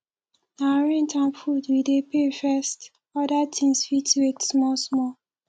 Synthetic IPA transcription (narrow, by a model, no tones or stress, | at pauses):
naɹĩntãmpfudwidepefɛst | ɔdatʰĩnsfitwetsmɔlsmɔ